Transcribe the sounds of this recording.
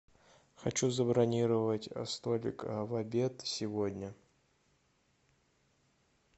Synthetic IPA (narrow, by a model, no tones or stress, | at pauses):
xɐt͡ɕuzəbɾɐnʲiɾəvətʲɐ̰st̪olʲɪ̰kavɐbʲet̪sʲɪvodʲnʲə